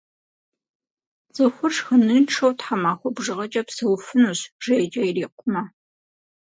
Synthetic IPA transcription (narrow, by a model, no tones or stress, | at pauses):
z̥ɨxʷʊrʂxənɨʈ͡ʂʰɐwtħamaːxʷɔbʒɨʁɐt͡ʃʼɐpsɨwfɨnuːɕʒ̥ɐjd͡ʒʼɐjriːqʷʊmɐ